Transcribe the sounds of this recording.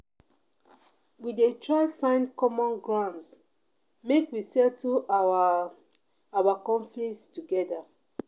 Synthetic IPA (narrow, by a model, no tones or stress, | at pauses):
widetʰɹaɪfãɪ̃ndkɔmɔ̃nɡɹãns | mekwisɛtʰu | awakɔ̃ɱflistuɡɛda